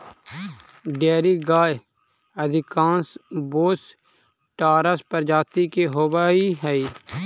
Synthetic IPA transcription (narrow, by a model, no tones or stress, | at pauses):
ɖeːɾiɡaːj | əd̪ʱɪkãːnsboːs | ʈaːɾəspəɾd͡ʒaːt̪ikeɦoːʋaiɦɛiː